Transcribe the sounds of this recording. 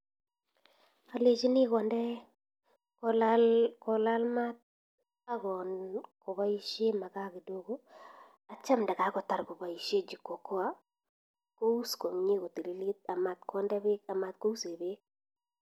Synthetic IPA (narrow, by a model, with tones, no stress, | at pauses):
a˨le˨t͡ʃi˦nɪ˦kɔ˨ndɛ˦ | klakɔ˨la˦lma˦t̪̚ | a˦ɡɔ˨nkɔ˨βa˦i˦ʃe˦ma˨ka˦ki˨do˦ɡo˦ | a˨t͡ʃa˦mda˨ka˦kɔ˨ta˨ɾkɔ˨ba˨i˨ʃe˦d͡ʒi˨kːɔ˨kɔ˦a˦ | ko˦u˦sko˨mɲi˦ko˨ti˨li˦li˦t̪̚a˨ma˨t̪kʰɔ˦ndɛ˦be˦ka˨ma˨t̪̚ko˦u˦se˨be˦k̚